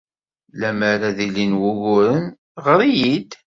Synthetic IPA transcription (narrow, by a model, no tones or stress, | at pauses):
læmæɾaðilinwʊʝʊɾən | ʁəɾˤijid̪